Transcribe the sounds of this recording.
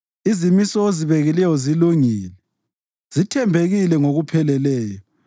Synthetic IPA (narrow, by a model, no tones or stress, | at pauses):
izimisɔeziβeɣilɛjɔziluŋiːlɛ | z̥itʰɛmbʱeɣilɛŋoɣupʰɛlɛlɛːjɔ